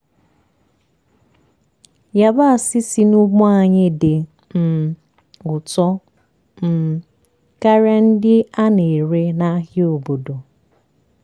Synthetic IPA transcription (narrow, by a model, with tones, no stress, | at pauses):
ja˦ba˦a˨sɪ˦si˦nu˦ɡ͡bɔ̃˦a˨ɲɪ˦dɪ˨ | m̩˨ | ʊ˨tɔ˦ | m̩˨ | ka˦ɾe˦n̩˦dɪ˦a˦ne˨ɾe˦na˦ɦɪ˦o˨bo˨do˨